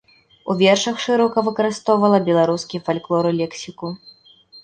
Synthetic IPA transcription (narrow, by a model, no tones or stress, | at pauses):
uvʲɛrʂɐxʂɨɾɔkɐvɨkɐɾɨst̪ɔwvɐlˠɐbʲɛlˠaɾuskʲifalʲklˠɔɾɨlʲɛksʲiku